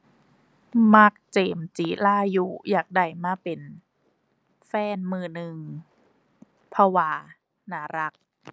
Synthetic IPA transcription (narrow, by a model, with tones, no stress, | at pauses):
ma˦˥k̚t͡ɕeː˨˩mt͡ɕiː˨˦laː˧˥˩ju˦˧jaː˨˩k̚da˨˩jmaː˧˥˩pe˨˩n | fɛː˧˥˩nmɯː˧˩nɯ˧ŋ | pʰɔ˧waː˧˩ | naː˨˩˦ɾa˦˥k̚